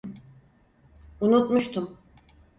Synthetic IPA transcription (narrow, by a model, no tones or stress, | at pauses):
unut̪muʃt̪ʰum